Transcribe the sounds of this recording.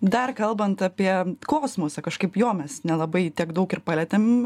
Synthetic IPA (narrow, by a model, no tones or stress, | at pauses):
d̪ɐrkɐlˠbɐnt̪ɑpʲiɛkoːsmoːsʲɐkɐʃkɐɪpjoːmʲɛsnʲɛlˠɐbɐɪt̪ʲikd̪ɐʊkɪrpɑːlʲɛt̪ʲem